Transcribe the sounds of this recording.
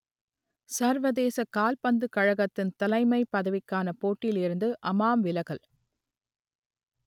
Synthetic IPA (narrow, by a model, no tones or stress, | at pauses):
sɐɾʋɐðeːsɐkaːlpɐnd̪ɯkɐɻɐɣɐt̪ːɪnt̪ɐlɐɪmɐɪpːɐðɐʋɪkːaːnɐpoːʈːɪlɪɾɯnd̪ɯʔɐmaːmʋɪlɐɣɐl